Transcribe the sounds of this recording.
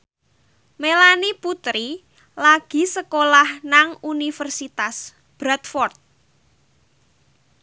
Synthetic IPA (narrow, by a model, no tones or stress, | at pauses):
melaniput̪ɾi | laɡ̥i̤səkolahnaŋunifərsit̪as | b̥ɾat̪fɔrt̪̚